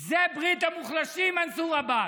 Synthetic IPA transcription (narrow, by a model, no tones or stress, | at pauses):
zebʁit̪amuχlaʃimansuʁaba